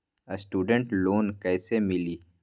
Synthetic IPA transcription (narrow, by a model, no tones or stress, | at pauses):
ɐsʈuːɖəɳʈloːnkɐːsemɪliː